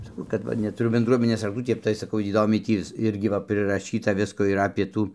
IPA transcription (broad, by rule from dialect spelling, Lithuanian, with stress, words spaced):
sɐˈkɐʊ kɐt ˈʋɐ nʲɛtʊˈrʊ bʲɛnˈdruɔmʲɪnʲeːs rɐkˈtuː ˈtʲɛp tɐɪ sɐˈkɐʊ iːˈdoːmʲɛɪ ˈtʲiː ʋʲɪs ˈɪrʲɡʲɪ ʋɐ pʲrʲɪrɐˈʃʲiːtɐ ˈʋʲɪskoː ɪr ɐpʲeː ˈtuː